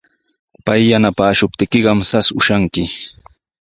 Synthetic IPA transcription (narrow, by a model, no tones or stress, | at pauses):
pajːanapaːʃʊp̚t̪ɪkɪɢɑmsasʊʃaŋkɪ